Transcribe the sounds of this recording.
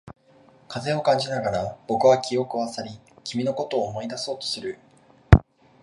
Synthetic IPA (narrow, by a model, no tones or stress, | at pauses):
kʰaze̞o̞kãɲ̟d͡ʑinaɡaɾab̥o̞kɯ̟βakʲio̞kɯ̟βasaɾʲikʲimʲino̞ko̞t̪oːmo̞id̪aso̞ːt̪o̞̥sɨɾɯ̟